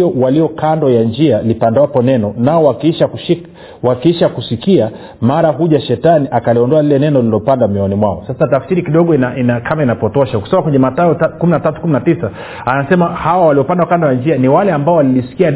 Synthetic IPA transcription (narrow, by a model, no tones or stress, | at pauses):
ɔwaliɔkandɔjand͡ʒialipandawapɔnɛnɔnaɔwakʃakui | wakiiʃakusikia | maɾaɦuʄaʃɛtaniʔakaliɔndɔalilɛnɛnɔlilɔpandamjiɔnimwaɔsasatafsiɾikiɗɔɠɔinaʔinakʰamainapɔtɔʃauki̥sɔmakwɛɲɛmataɔtakuminatatu̥kuminatisa | anasɛmahawawaliɔpandakandɔjand͡ʒianiwalɛambaɔwalilisi̥kia